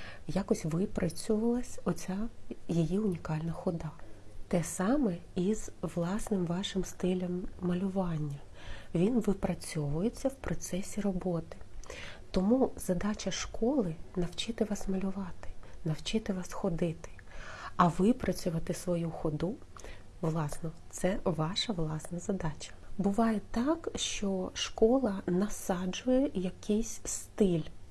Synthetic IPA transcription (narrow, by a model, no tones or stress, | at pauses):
jɑkɔsʲʋɪpɾɐt͡sʲʊʋɐlˠɐsʲɔt͡sʲajijiʊnʲikɑlʲnɐxɔd̪ɑt̪ɛsɑmɛizʋlˠɑsnɪmʋɑʃɪmst̪ɪlʲɐmːɐlʲʊʋɑnʲːɐ | ʋʲinʋɪpɾɐt͡sʲɔʋʊjet͡sʲːɐwpɾɔt̪sɛsʲiɾɔbɔt̪ɪ̥t̪ɔmuzɐd̪ɑt͡ʃɐʃkɔlˠɪnɐwt͡ʃɪt̪ɪʋɑsmɐlʲʊʋɑt̪ɪ̥nɐwt͡ʃɪt̪ɪʋɑsxɔd̪ɪt̪ɪ̥ | ɐʋɪpɾɐt͡sʲʊʋɐt̪ɪsʋɔjuxɔd̪u | ʋlˠɑsnɔt̪sɛʋɑʃɐʋlˠɑsnɐzɐd̪ɑt͡ʃʲɐ̥bʊʋɑjet̪ɑkʃt͡ʃɔʃkɔlˠɐnɐsɑd͡ʒʊjɛjɐkɛjsʲst̪ɪlʲ